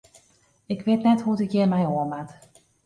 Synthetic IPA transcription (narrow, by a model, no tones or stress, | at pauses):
ɪkʋɪtnɛtɦutɪkjɪmɛjoəmat